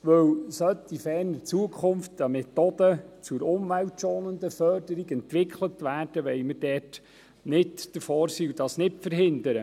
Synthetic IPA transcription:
ʋɵwsœt̪ifɛːɾnəɾt͡suəkʰχʊmft̪əmɛt̪od̪ət͡sʊɾʊmʋæwtʃoːnənd̪əfœrdəɾiɡɛnt̪ʋɪkʰχlətʋæːrd̥əʋɛɪməɾdɛːrt | nɪdd̥əfoːɾsiːudɑsnɪtfəɾɦɪndəɾə

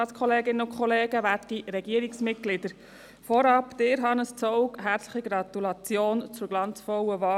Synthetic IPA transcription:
ɑːtskʰχɔleːɡɪnəʊkʰχɔleːɡəʋætiɾɛɡiːəɾiksmɪt̚ɡ̥lɪd̥əɾ | fɔɾɑpd̪̥ɪɾɦɑnəst͡sɔʊkɦæːɾt͡sləχiɡɾɑt̪ulɑt͡sjoːnt͡sʊɾɡlɑnt͡sfɔwəʋɑː

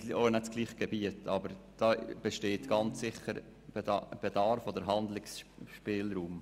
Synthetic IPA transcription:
onɛtt͡sɡ̥liːχɡ̥ɛbiətʰɑbəɾd̥ɑːb̥ɛʃteːtɡ̥ɑnt͡sːɪχəɾ | b̥ɛdɑɾfod̥əɾɦɑnd̪lɪksʃpɪːlɾuːm

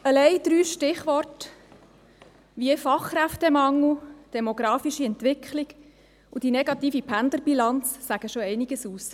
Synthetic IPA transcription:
əlɛɪd̥̪ɾyːʃtɪχʋɔrt | ʋiəfɑχkɾæftɛmɑŋud̥ɛmoɡɾɑːfiʃiɛntʋɪkχliɡ | ud̥inɛɡɑt̪iːfipʰændəɾbilɑnt͡ssæɡ̥əʃoɛɪniɡəsuːs

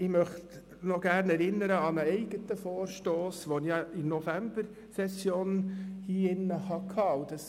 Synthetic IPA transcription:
ɪmœχt | nɔɡ̥æːɾnɛɾɪnːəɾəɑnəɛɪɡ̥ət̪əfoːɾʃtoːsʋonijɑɪnɔfæmb̥əɾ | sɛsjoːnhiːɪnːəhɑkʰɑːud̥ɑs

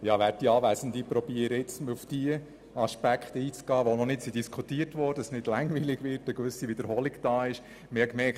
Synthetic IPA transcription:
jɑʋæɾt̚d̥iɑːʋæjsən̩d̪ipɾɔb̥iəɾəɪt͡sməufd̥iə | ɑʃpækχt̪iːt͡sɡ̥ɑːʋonɔnɪtsidiskʰutiːərtʋɔd̥əsnɪd̥lɑŋviːlɪɡʋɪːrtəkʋʏsivɪd̪əɾhɔlɪkd̥ɑːɪʃ | mɪhɛkmɛkt

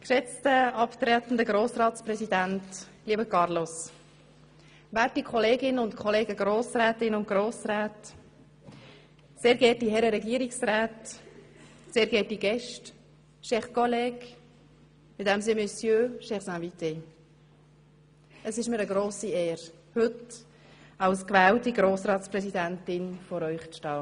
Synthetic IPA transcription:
kʃɛt͡stəɑpt̪ɾɛt̪n̩d̪əɡɾoːsrɑːtspɾɛsidænt | liəbəkʰɑɾlos | vætikʰɔleːɡɪnənʊntkʰχɔleːɡəɡɾoːsrɛːtɪnʊnt̚ɡ̥roːsrɛːt | seːɾɡɛːtihɛɾəɾɛɡiːəɾiksrɛːt | seːɾɡɛtiɡɛʃt | ʃɛχkolɛːk | ɪdɛmsɪnmœsjøːʃɛχsæ̃vit̪e | əsɪʃmɪɾəɡɾoːsiɛːɾ | hɵt | ɑwskvæːltiɡɾoːsɾɑːtspɾɛsidæntɪnfɔɾœʏχt͡stɑː

